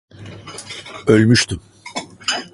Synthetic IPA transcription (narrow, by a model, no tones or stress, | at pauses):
ø̞lʲmyʃt̪ʰym